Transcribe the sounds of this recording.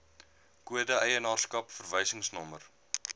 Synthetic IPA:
kuədəɛjənɑːrskɐpfərvəjsəŋsnɔmər

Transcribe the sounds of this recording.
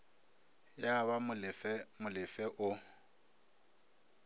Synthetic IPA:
jaβamʊlɪfɛmʊlɪfɛʔʊ

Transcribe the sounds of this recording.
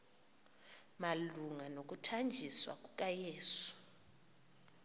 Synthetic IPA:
maluŋanok̬ʼutʰand͡ʒʱiswa̰kʼukʼajɛːsɔ̥

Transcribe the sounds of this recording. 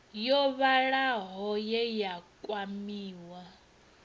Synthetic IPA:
jɔβaɺaɦɔjɛjakʼwamiːwa

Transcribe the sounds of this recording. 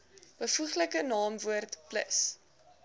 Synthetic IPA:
b̥əfuχləkənɑːmvuərtplə̰s

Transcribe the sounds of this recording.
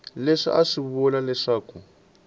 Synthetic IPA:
leʂḭʔaʂiβɔlalɛʂaːku

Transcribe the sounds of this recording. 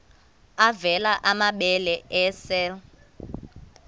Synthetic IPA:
avɛlaʔamaɓɛlɛʔɛsɛl

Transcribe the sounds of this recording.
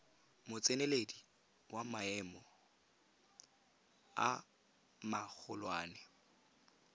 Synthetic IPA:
mʊt͡sʼeneledi | wamaɛmɔ | a | mak͡xʰʊlwaːnɛ

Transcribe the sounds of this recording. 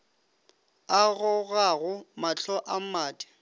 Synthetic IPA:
aɣʊɣaɣʊmat͡ɬɔʔamaːtʼɪ̥

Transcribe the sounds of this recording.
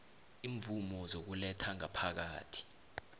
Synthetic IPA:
iːɱvumɔzok̬ulɛtʰaŋapʰak̬a̰ːtʰi̥

